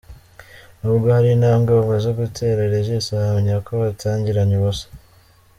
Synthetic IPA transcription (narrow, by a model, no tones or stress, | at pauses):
nuːbɡohaɾinaːŋɡaβuβazoɡutʰe̞ːɾeɾeʒesahameɲakoβatʰaːɲɟiɾaɲiβosḁ